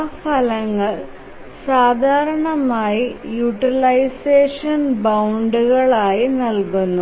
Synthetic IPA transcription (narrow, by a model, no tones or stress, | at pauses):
pɐlɐŋːɐɭ | saːd̪ʱaːɾɐɳɐmaːjijuʈːilɐjseːʂɐnbɐwɳɖuɣɐɭaːjinɐlkunːu